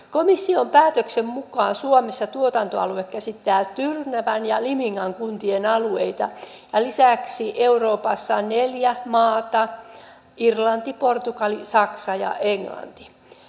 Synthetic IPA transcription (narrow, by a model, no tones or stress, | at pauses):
komisːiompæːt̪øksemmukɑːnsuomesːɑt̪uot̪ɑnt̪oɑ̰luekkæsit̪ːæːt̪yrnæʋænjɑlimiŋːɑŋkunt̪ienɑlueit̪ɑ̰ | jɑlisæksiʔeuroːpɑsːɑneljæmɑːt̪ɑ | irlɑnt̪iport̪ukɑlisɑksɑjɑ̰ʔeŋlɑ̰nt̪i̥